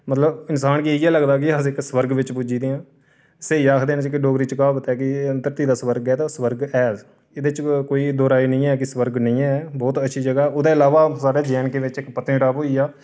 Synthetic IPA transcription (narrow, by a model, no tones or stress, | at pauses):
mət̪ləbɪnsaːnkiiɛːləɡd̪aːkɪasɪksəʋəɾɡʋɪt͡ʃpud͡ʒiːd̪eːãː | seːiːaːkʰd̪eːnt͡ʃkɪɖoːɡɾiːt͡ʃəkaːbət̪ɛːkɪənt̪əɾt̪iːd̪aːsʋəɾɡɛːt̪ãːsʋəɾɡɛːz | ɪd̪ɪt͡ʃkoːiːd̪ɔːɾaːiːnəĩːɛːkɪsʋəɾɡnəĩːɛːbɔːt̪ətːʃʰiːd͡ʒəɡaːɛːʊd̪ãːɪlaːʋaːsaːɖeːd͡ʒɛːnkeːʋɪt͡ʃɪkpət̪ːʈaːpɦoːiːaː